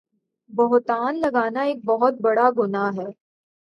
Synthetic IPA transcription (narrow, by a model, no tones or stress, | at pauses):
bɐɦt̪aːnlɐɡaːnaeːk̚bɐɦʊt̪̚bɐɽaɡʊnaɦɛː